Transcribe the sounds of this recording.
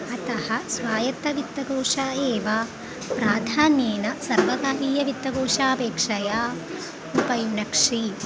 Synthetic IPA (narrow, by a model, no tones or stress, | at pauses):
ɐt̪ɐhɐsʋaːjɐt̪ɐʋit̪ːɐɡoːʂaːeːʋa | pɾaːd̪ʱaːnjeːnɐsɐɾʋɐɡ̪aːɾiːjɐʋit̪ːɐɡoːʂaːpeːkʂɐjaː | upɐjunɐkʂi